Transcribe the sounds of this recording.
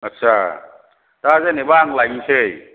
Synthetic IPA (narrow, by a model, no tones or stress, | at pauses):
atːt͡ʃʰa | t̪azanebaŋlajŋisʰej